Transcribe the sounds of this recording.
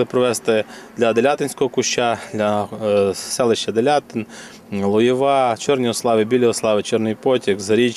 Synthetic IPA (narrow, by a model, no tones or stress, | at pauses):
ɪpɾɔʋɛst̪ɪd̪lʲɐd̪elʲat̪ɪnʲsʲkɔɦɔkʊʃt͡ʃːad̪lʲɐ | sɛlˠɪʃʲt͡ʃːɐd̪elʲat̪ɪn | lˠʊjɪʋɑt͡ʃɔrnʲiɔslˠɑʋʲibʲilʲɪɔslˠɑʋʲɪt͡ʃɔrnɪjpɔtʲiɡzɐɾʲi